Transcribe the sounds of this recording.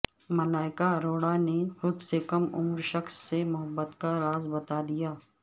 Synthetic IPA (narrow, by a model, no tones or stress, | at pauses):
mɐlaːɪkaɾoːɽanexɾʊd̪sekɐmʊ̰mɾʃɐxsːemʊɦəbːət̪kaɾaːzbɐt̪ad̪ijaː